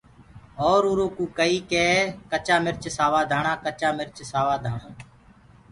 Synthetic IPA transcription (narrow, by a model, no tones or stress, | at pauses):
oːɾuːɾoːkũːkəiːkeːkət͡ʃaːmɪɾt͡ʃsaːʋaːd̪ʱaːɳãːkət͡ʃaːmɪɾt͡ʃsaːʋaːd̪ʱaːɳãː